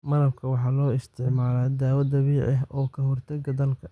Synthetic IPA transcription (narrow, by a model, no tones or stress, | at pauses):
mɐɾɐbkʰɐwɑħɑːlɔːɪst̪ʰɪʕmaːlaːd̪aːwɐd̪ɐβiːʕɛɦɔːkʰɐɦɔrt̪ʰɐɡɐd̪ɐlkʰɐ